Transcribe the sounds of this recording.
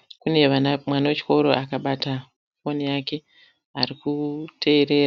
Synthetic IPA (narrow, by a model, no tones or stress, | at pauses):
kune̞ʋamwanawet͡ʃi̥ko̞ɾo̞ʔakaɓata | fo̞nijake̞ | aɾikutʰe̞ːɾe̞ːra